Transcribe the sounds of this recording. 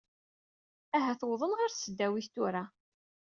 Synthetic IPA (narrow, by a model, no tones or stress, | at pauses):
æɦæθwðˤənʁaɾθsəd̪ːæwiθt̪uɾa